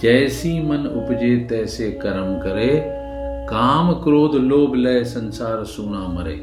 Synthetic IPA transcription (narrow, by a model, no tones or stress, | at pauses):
d͡ʒɛːsimənʊ̰pd͡ʒeːt̪ɛːseːkəɾəmkəɾeː | kaːmkɾoːd̪loːblɛːsənsaːɾsuːnaːməɾḛː